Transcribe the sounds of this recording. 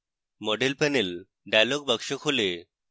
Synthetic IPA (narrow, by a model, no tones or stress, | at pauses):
mɔɖelpɛnel | ɖajlɔɡbəkʃɔkhole